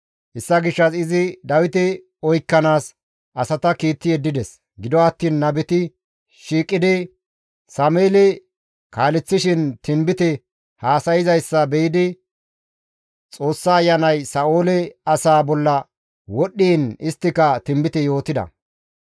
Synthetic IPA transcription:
hɛsːɐɡɪʃːɐsɪzɪd̪ɐwɪt̪ɪ | ɔjkːɐnaːs | ʔɐsɐt̪ɐkiːt̪ːɪjɛd̪ːɪd̪ɛs | ɡɪd̪ɔɐt̪ːiːnːɐbɛt̪ɪ | ʃiːkʼːɪd̪ɪ | sɐmeːlɛ | kaːlɛt͡sːɪʃɪnt̪ɪmbɪt̪ɛ | haːsɐjɪzɐjsːɐbɛjɪd̪ɪ | t͡sʼo̞ːsːaːjːɐnɐjsɐoːlɛɐsaːbɔlːɐ | wɔɗːiːnɪst̪ːɪkɐt̪ɪmbɪt̪ɛjo̞ːt̪ɪd̪ɐ̰

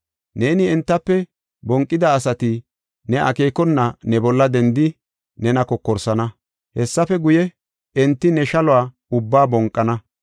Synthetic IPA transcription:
ne̞ːnɪɛnt̪ːɐpːɛ | bɔŋkʼːɪd̪ɐːsɐt̪ɪ | nɛʔɐ̰keːkɔnːɐnɛbɔlːɐd̪ɛnd̪ɪ | nɛnɐkɔkːɔɾsɐnɐ | hɛsːɐfɛɡʊjɛ | ɛnt̪ːɪnɛʃɐlɔaː | ʊbːaːbɔŋkʼːɐnɐ

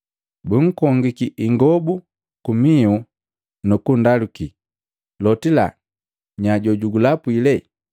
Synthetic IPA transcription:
buŋ̩kɔŋɡikiʔiŋɡɔbu | kumiu | nukundaluki | lɔtila̰ | ɲaɟɔɟuɡulapwilɛ

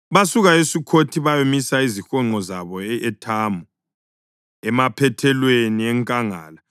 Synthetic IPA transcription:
βasuɣaesikʰotʰiβajomisaizixɔŋ͡ǃɔzaβɔɛʔɛtʰaːmu | ɛmapʰɛtʰɛlweniɛŋkʼaŋa̰ːla

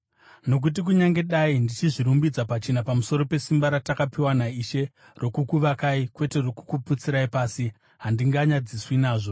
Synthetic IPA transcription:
no̞k̬ut̬ik̬uɲaŋɡe̞ɗaindit͡ʃiʐiɾumbid͡zapat͡ʃenapamuso̞ɾo̞pe̞simbaɾatakapiwanaiʃe̞ | ro̞kukuʋakaikwe̞te̞rokukuput͡siɾaipaːsi | ɦandiŋɡaɲad͡ziswinaːʐo̞

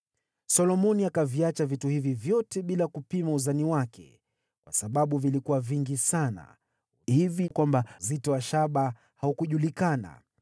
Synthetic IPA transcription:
sɔlɔmɔniakaviat͡ʃavituhivivjɔtɛɓilakupimauzaniwakʰɛ̰ | kwasaɓaɓuvilikuwaviŋɡisana̰ | hivikwambazitɔwaʃaɓa | haukuʄulikana̰

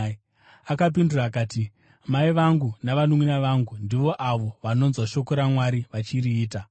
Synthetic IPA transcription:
akap̬induraːkaːti | maiʋaŋɡunaʋanuminaʋaŋɡundiʋo̞ʔaʋo̞ʋano̞nzwaʃo̞ko̞ɾamwaɾiʋat͡ʃiɾiːta

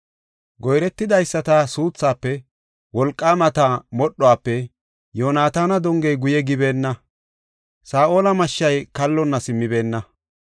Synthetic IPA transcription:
ɡɔjɾɛt̪ːɪd̪ɐjsːɐt̪ɐsuːt͡sːaːpːɛ | wɔlkʼːaːmɐt̪ɐmɔɗːɔaːpːɛ | joːnaːt̪aːnɐd̪ɔŋɡejɡʊjɛɡɪbe̞ːnːɐ | saːʔo̞ːlɐmɐʃːɐjkɐlːɔnːɐsɪmːɪbe̞ːnːɐ

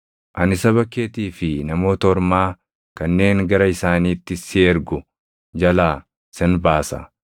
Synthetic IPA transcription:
ʔɐnɪsɐβɐkːe̞ːt̪iːfɪnɐmo̞ːt̪ɔɾmaː | kɐnːe̞ːŋɡɐɾɐɪsaːniːt̪ːɪsɪɛɾɡʊ | d͡ʒɐlaː | sɛnbaːsɐ̰

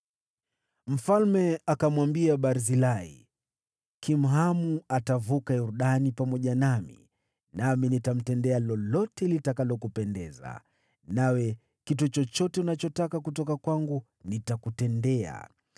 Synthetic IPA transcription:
m̩falmɛakamwambiaɓaɾzilaḭ | kʰim̩ɦamuatavukajuɾuɗanipamɔʄanamḭ | naminitam̩tɛndɛalɔlɔtɛlitakalɔkupɛndɛza̰ | nawɛ | kitut͡ʃɔt͡ʃɔtɛunat͡ʃɔtakakutɔkakwaŋɡu | nitakutɛndɛa̰

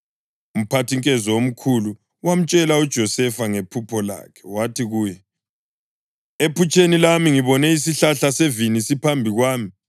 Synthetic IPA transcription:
um̩pʰatʰiŋkʼɛzɔom̩kʰulu | wam̩t͡ʃʼɛlaud̥ʒ̥ʱɔsɛfaŋepʰupʰɔla̰ːkʰɛ̥watʰiɣuːjɛ | epʰut͡ʃʼʰenilamiŋiβɔnɛisiɬaɬasevinisipʰambʱiɣwaːmi

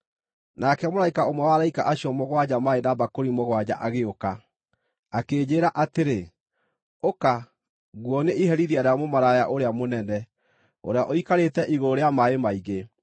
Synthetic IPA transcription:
nakɛmoɾaikaomwɛwaɾaikaʔaɕiɔmoɣwad͡ʑamaenabakoɾimoɣwad͡ʑa̰ʔaɣeoka | akeːd͡ʑeːɾaʔateɾe | oka | ɣwɔneʔiɦɛɾiðiaɾamomaɾajaʔoɾeamonɛnɛ | o̰ɾeaʔoikaɾetɛʔiɣoɾeamaemaiɣe

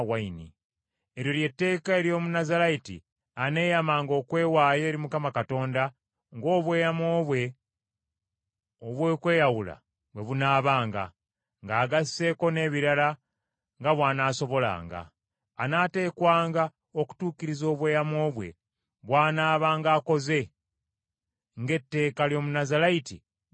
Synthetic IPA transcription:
wainḭ | eɾjo̞lje̞tːe̞ːkae̞ɾjo̞ːmunazalaitḭ | ane̞ːjamaːŋɡo̞ːkwe̞ːwaːje̞ːɾimukamakato̞ːnda | ŋɡo̞ːβwe̞ːjamoːβwe̞ | oβweːkwe̞ːjawula̰ | βwe̞βunaːβaːŋɡa̰ | ŋɡaːɡasːe̞ko̞ne̞ːβiɾala | ŋɡaβwaːnaːso̞βo̞la̰ːŋɡa̰ː | nate̞ːkwaːŋɡa | o̞ku̥tuːkiɾizo̞ːβwe̞ːjamo̞ːβwe̞̰ | βwaːnaːβaːŋɡaːko̞ze̞ | ŋɡe̞tːe̞ːkaljomunazalaiti

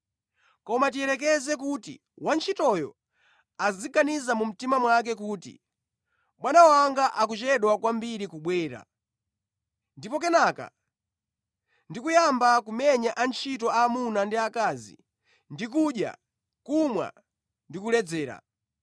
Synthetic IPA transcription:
kɔmatiɛɾɛk̬ɛzɛk̬utḭ | want͡ʃʰitɔjɔ̰ | aziɡanizamum̩timamwak̬ɛk̬uːtḭ | ɓwanawaŋɡaʔak̬ut͡ʃɛɗwakwambiɾikuɓwɛːɾa̰ | ndipɔk̬ɛnaːka̰ | ndikujambakumɛɲaʔant͡ʃʰitɔaːmunandiakaːzḭ | ndik̬uɗja̰ | kumwa̰ | ndikulɛd͡zɛːɾa̰

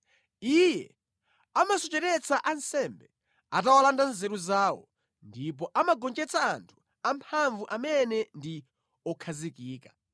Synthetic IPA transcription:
ijɛ | amasɔt͡ʃɛɾɛt͡saʔansɛmbɛ | atawalandanzɛɾuzaːwɔ̰ | ndip̬ɔʔamaɡɔnd͡ʒɛt͡sʰaːntʰu̥ | ampʰaɱvuʔamɛnɛndi | ɔkʰazikiːkḁ

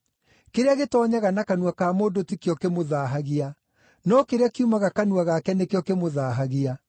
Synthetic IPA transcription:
keɾeaɣetɔːɲaɣanakanwakaːmoːndotikjɔkemoðaɦaɣia | nɔkeɾeakiumaɣakanuaɣakɛnekejɔkemoðaːɦaɣia

